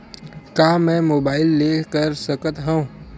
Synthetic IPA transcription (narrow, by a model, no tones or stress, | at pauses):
kaːmɛ̃ːmoːbaːɪlːeːkəɾsəkət̪ɦɛ̃ũ